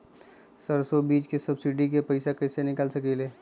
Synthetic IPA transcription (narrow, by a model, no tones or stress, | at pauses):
səɾsobiːd͡ʒkesɐbsɪɖik̬epɐɪsakɐɪsenɪkəlsɐkeleː